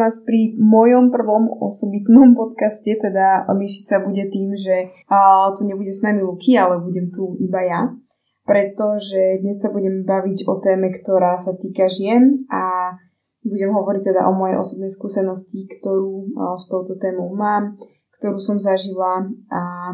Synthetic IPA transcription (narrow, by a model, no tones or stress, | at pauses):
aːspɾimɔjɔmpr̩ʋɔmɔ̰sɔbit̪nɔmpɔt̪kascɛt̪ɛd̪amɪɛʃicsabuɟɛt̪iːmʒɛ | t̪uɲɛbuɟɛsnamilukʰialɛbuɟɛmt̪uibaja | pɾɛt̪ɔʒɛd̪ɲɛsːabuɟɛmbaʋiɟɔt̪ɛːmɛkt̪ɔɾaːsat̪iːkaʒɪɛnʔa | buɟɛmɦɔʋɔɾic̚t̪ɛd̪a̰ʔɔmɔjɛ̰jʔɔ̰sɔbnɛjskuːsɛnɔscikt̪ɔɾuːst̪ɔʊt̪ɔt̪ɛːmɔʊmaːm | kt̪ɔɾuːsɔmzaʒilaa